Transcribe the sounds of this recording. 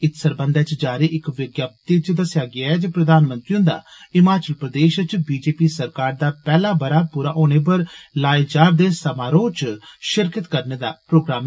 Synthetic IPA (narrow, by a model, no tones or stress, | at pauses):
ɪt̪səɾbə̃nd̪ɛːt͡ʃd͡ʒaːɾeːʔɪkʋɪɡjaːp̚t̪it͡ʃd̪əsjaːɡɪaːɛːd͡ʒepɾəd̪aːnmə̃nt̪ɾiʊ̃nd̪a̰ːɪmaːt͡ʃəlpɾəd̪eːʃt͡ʃbiːd͡ʒeːpiːsəɾkaːɾd̪aːpɛːlaːbəɾaːpuːɾaːʔoːñeːp̬əɾlaːed͡ʒaːɾd̪eːsəmaːɾoːt͡ʃʃɪɾkət̪kəɾneːd̪aːpɾoːɡɾaːm